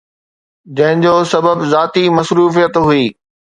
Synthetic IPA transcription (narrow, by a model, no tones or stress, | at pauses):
d͡ʑɐ̃ɦɪ̃ɲd͡ʑoːsɐbəbzaːt̪imɐsɾuːfijət̪ɦuiː